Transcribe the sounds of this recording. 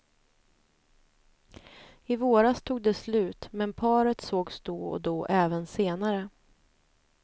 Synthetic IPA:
ɪvoːɾast̪ʰuːɡ̚d̪ɛslʉ̟ːt̪mɛnpʰɑːɾət̪soːɡsd̪oːɔ̰d̪oːʔɛːvənseːnaɾə

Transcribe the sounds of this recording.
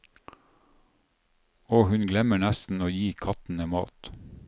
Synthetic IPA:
ɔːhʉnɡlɛməɳæst̪n̩oːjiːkʰɑt̪n̩emɑ̰ːt̪

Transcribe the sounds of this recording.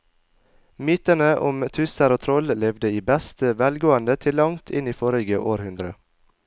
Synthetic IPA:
myːt̪ənəʔʊmt̪ʰʉsəɾoːt̪ʰɾɔllɛʋd̪əiːbɛst̪əʋæːlɡoːənd̪ət̪ʰɪlɑŋt̪ʰɪniːfoːɾɪɡəʔoːɾhʉnd̪ɾə

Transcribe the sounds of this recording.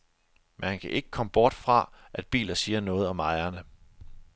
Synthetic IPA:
menhænkʰæʔe̝ɡ̥ə̥kʰɒ̽məb̥ɒːd̥fʁɑ̈ʔæd̥̚b̥ḭːlɐsiːɐnɔ̽ːð̞̩ˠɒ̽mɑ̈ɪɐnə

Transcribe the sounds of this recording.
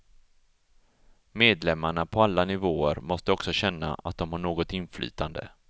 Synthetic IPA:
meːd̪lɛmːaɳapʰɔalːanɪvoːəɾmɔst̪əɔksɔɕɛnːa̰a̰t̪̚d̪ɔmhaɳoːɡɔt̪ɪnflʔy̰ːt̪ʰand̪ə̰

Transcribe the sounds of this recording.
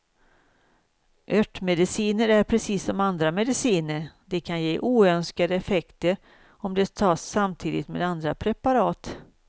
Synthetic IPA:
ʔœʈːmɛd̪ɪsiːnəɾæɾpʰɾɛsiːsːɔmand̪ɾamɛd̪ɪsiːnəɾd̪ɛkʰanjeːʔuːœnskad̪əɛfɛkt̪əɾ | ɔmd̪ɛt̪ʰɑːsːamt̪ʰiːd̪ɪt̪mḛːd̪and̪ɾapʰɾɛpaɾɑːt̪

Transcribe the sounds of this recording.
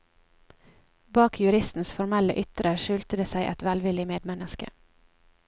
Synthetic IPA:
bɑːkʰjʉɾɪst̪n̩sfɔɾmɛlə̰ʔʏt̪ɾəʃʉːlt̪əd̪eːsæɪʔɛt̪ʋælʋɪlɪmeːd̪mɛnəskə̰

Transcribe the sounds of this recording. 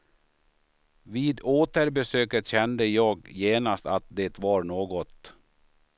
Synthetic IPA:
viːd̪oːt̪əɾbɛsøːkət̪ɕɛnd̪əjɑːɡjeːnast̪at̪̚d̪et̪vɑɾnoːɡɔt̪

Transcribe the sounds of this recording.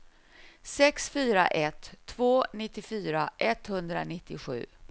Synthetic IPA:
sɛksfyːɾa̰ʔɛt̪ʰːvoːnɪt̪ːɪfyːɾaʔɛt̪hɵnd̪ɾa̰nɪt̪ːɪɧʉ̟̰ː

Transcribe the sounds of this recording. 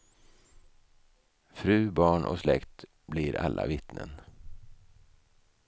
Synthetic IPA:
fɾʉ̟ːbɑːɳʔɔ̰slɛkt̪ | blɪɾalːʔavɪt̪nən

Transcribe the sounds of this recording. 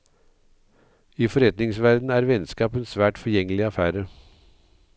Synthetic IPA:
iːfɔɾɛt̪nɪŋsʋæɾd̪n̩æːɾʋɛnskɑːpənsʋæːʈfɔɾjɛŋəlɪɑfæːɾə

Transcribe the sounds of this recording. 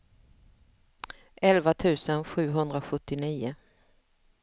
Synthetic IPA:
ʔɛlvat̪ʰʉ̟ːsənɧʉ̟ːɦɵnd̪ɾaɧɵt̪ːɪniːʊ

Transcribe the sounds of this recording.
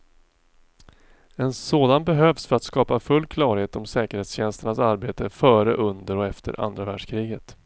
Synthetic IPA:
ɛnsoːd̪anbɛɦøːvsfœɾat̪skɑːpafɵlːkʰlɑːɾheːt̪ɔmsɛːkəɾheːt̪sɕɛnst̪əɳasaɾbeːt̪əfœːɾə̰ʔɵnd̪əɾɔɛft̪ʰə̰ɾʔa̰nd̪ɾavæːɖʂkʰɾiːɡət̪

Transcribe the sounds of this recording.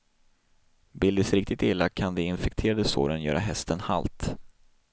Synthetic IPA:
bɪld̪əsɾɪk̚t̪ɪt̪ɪlːakʰand̪ɛɪnfɛk̚t̪ʰeːɾad̪əso̰ːɾənjœ̰ːɾaɦɛst̪ənha̰lt̪

